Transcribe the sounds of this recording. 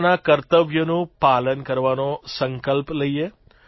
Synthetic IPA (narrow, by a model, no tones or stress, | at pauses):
nakəɾt̪əʋjənũpaːlənkəɾʋanosə̃ŋkəlpləie